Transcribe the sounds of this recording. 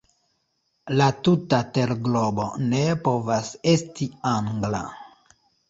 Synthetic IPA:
latutate̞ɾɡlo̞bo̞ne̞po̞vase̞stiaŋɡla̰

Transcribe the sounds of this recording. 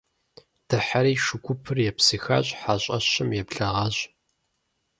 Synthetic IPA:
d̥ɨħaɾiːʃʊkʷʰʊpʰɨrjɛpsɨxa̰ɕʼħaɕʼɐ̰ɕɪmjɛpɬɐʁɐɕ

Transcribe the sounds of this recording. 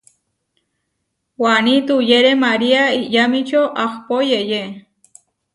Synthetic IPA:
wanit̪ujeɾemaɾiaijamit͡ʃʰoʔakpojeje

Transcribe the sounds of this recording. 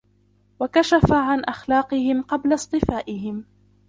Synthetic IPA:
wakaʃafaʕanʔaxlɑːqɨhɪmqɑblasˤt̪ˤɨfaːʔɪɦɪm

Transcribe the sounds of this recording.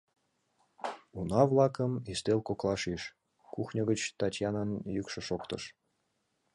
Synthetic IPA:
unɑvlɑkəmist̪elkoklˠɑʃiʃ | kuxnʲəɣət͡ɕt̪ɑtʲjɑnɑnjykʃɤ̆ʃokt̪ə̰ʃ

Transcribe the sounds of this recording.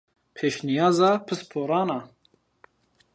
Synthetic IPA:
pʰeːʃnijɑːzɑːpʰɨspʰoːɾɑːnɑ

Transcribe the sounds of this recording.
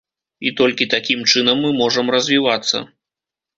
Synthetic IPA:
it̪ɔlʲkʲit̪akʲimt͡ʂɨnɐmːɨmɔʐɐmrɐzʲvʲivat̪sːɐ̰

